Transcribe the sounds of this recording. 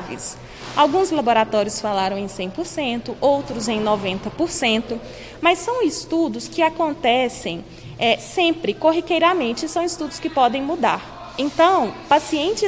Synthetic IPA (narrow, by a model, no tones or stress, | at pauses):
vɪ̰s | awɡũzlaboɾat̪ɔɾiʊsfalaɾɐ̃w̃ẽj̃sẽj̃poɾsẽnt̪ʊʔowt̪ɾʊzẽj̃nɔvẽnt̪ɐpoɾsẽnt̪ʊ | mɐsːɐ̃w̃ɪst̪ud̪ʊskɪakõnt̪ɛsẽj̃ | ɛsẽmpɾɪkoɦikejɾamẽnt͡ʃɪsɐ̃w̃ɪst̪ud̪ʊskɪpɔd̪ẽj̃mud̪aɾ | ẽnt̪ɐ̃w̃pasiẽnt͡ʃɪ